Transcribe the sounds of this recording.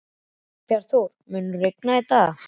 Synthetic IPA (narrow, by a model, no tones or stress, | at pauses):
pjaɾ̥θowɾ̥mʏːnʏrejk̚nait̪a